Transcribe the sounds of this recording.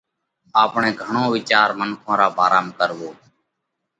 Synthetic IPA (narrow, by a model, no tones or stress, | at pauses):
aːpɳeːɡʱəɳõːʋɪt͡ʃaːɾmənkʰõːɾaːbaːɾaːmkəɾʋoː